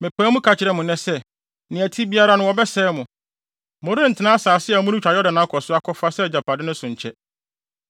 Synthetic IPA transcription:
mɪ̃˨pʰæ̃ː˦mʊ̃˦kʰa˨t͡ɕʰɪ˨ɾɛ˦mʊ̃˨nɛ̃˦sɛ˦˨ | nɪ̃˨æ˨tʰi˦bi˦a˦ɾa˦nʊ̃˦wɔ˨bɛ˦sɛː˦mʊ̃˨ | mʊ̃˨ɾɪ̃˦n̩˨tʰɪ˨˦nã˦saː˨sɪ˦ɛ˨mʊ̃˦ʊ̃˦t͡ɕᶣa˨jɔ˦dã˨nã˨˦kʰɔ˨sʊ˦a˦kʰɔ˦fa˦sɛ˦˨d͡ʑa˨pʰa˨dɪ˦nʊ̃˦sʊ̃˨ɲ̩˨t͡ɕʰɛ˦

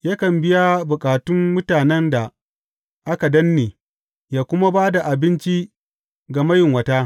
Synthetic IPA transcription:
jaː˦kɐ˨mbɪ˦ja˦bʊ˨kʼaː˨tʊ˦mːʊ˦taː˨nɛ˦nda˨ | ʔa˦ka˨dɐ˦nːeː˨ | jaː˦kʷʊ˦ma˦baː˦da˨ʔa˨bɪ˦nt͡ʃi˦ | ɡa˨mɐ˦jɪ˨ŋwɐ˦taː˦

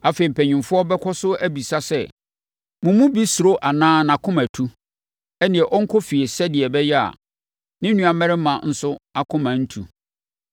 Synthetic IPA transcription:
a˨fe˨i˨m̩˨pʰɛ̃˨ɲɪ̃˨mfʊ˦ɔ˦bɛ˦kʰɔ˦sʊ˦æ˦bi˨sa˦sɛ˦ | mʊ̃˨mũ˦bi˦sʊ˨ɾo˦ʔa˨nãː˦nã˨kʰʊ̃˦mæ̃˨tʰu˦ | ɛ˦nɪ̃˨ɛ˨ʔɔ˦ŋ̩˦kʰɔ˦fi˨e˨sɛ˦dɪ˨ɛ˨bɛ˦jɛ˦a̰˨ | nɪ̃˦nũ˦a˨mɛ˦ɾɪ˦mã˨n̩˨sʊ˦a˨kʰʊ̃˦mã˨n̩˦tʰṵ˨

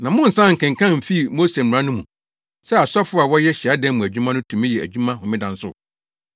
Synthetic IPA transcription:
nã˨mʊ̃˦n̩˨sã˦ŋ̩˨kʰɪ̃˨ŋ˨kʰã˦m̩˨fi˦˨mo˦se˨m̩˨ã˦nʊ̃˦mũ˨ | sɛ˦a˨sɔ˦fʊ˦a˨wɔ˦jɛ˦ɕɛ˨a˦dɛ̃˦n˦mũ˨æ˨d͡ʑᶣu˦mã˦nʊ̃˦tʰũ˨mɪ̃˦jɛ˨æ̰˨d͡ʑᶣu˦mã˦ɦʊ̃˨mɪ̃˦dã˨n˦sʊ̰˦˨

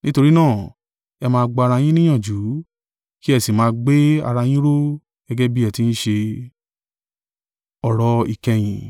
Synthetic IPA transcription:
nĩ˦to˧ɾi˦nãː˦˨ | ɛ˧mãː˧ɡ͡ba˧ɾa˧j̃ĩ˦nĩ˦j̃ã˦˨d͡ʒu˨˦ | ki˦ɛ˧si˨mãː˧ɡ͡be˦a̰˧ɾa˧j̃ĩ˦ɾo˦ | ɡ̥ɛ˦ɡɛ˦bi˦ɛ˧˨ti˧˦ñ̩˦ʃe˧ | ɔ˨ɾɔ˧i˨kɛ˧j̃ĩ˨

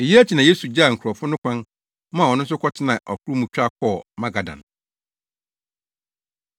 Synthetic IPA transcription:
e˨ji˦æ˦t͡ɕʰi˨nã˨je˦su˨d͡ʑa˦˨ŋ̩˨kʰɾɔ˨fʊ˦nʊ̃˦kʷʰã˦n | mã˦˨wɔ˨nʊ̃˦n˦s̬ʊ˦kʰɔ˦tʰɪ˦nã˨ʔɔ˨kʰʊ˦ɾu˦mũ˨t͡ɕᶣa˦kʰɔː˦˨mã˦ɡa˨dã̰˨n

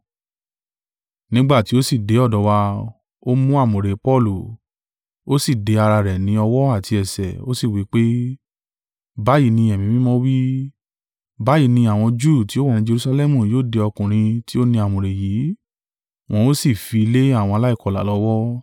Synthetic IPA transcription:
nĩ˦ɡ͡ba˦˨ti˦o˦si˦˨de˨˦ɔ˦˨dɔ˨˧˦wa˧ | o˦mũ˦a˦˨mũ˨ɾe˨˦pɔ˦˨lu˨ | o˦si˦˨de˧˦a˧ɾa˧ɾɛ˨nĩ˦ɔ˧wɔ˦a˦˨ti˧ɛ˨sɛ̰˨o˦si˦˨wi˨˦k͡pe˦ | ba˨˦ji˦˧˨nĩ˧ɛ˨mĩ˨˧mĩ˦mɔ̃˦wi˦ | ba˨˦ji˦˧˨nĩ˧a˨w̃ɔ̃˧d͡ʒu˦˨ti˨˦o˦wã˦˨ĩ˧˦d͡ʒe˧ɾu˧sa˧lɛ˦mũ˨joː˦˨de˧ɔ˧kũ˨ɾ̃ĩ˧ti˦o˦nĩ˧˦a˨mũ˨ɾe˨ji˨˦ | w̃ɔ̃˧o˦si˦˨fi˧i˧le˦a˦˨w̃ɔ̃˧la˦i˦˨kɔ˨˧˨la̰˨lɔ˧˦wɔ˦

